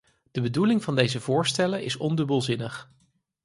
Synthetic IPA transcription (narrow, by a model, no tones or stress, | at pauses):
d̥əbədulɪŋv̥ɑndejzəvʊːɹstɛlənʔɪsɔndɵbəlˠzɪnəχ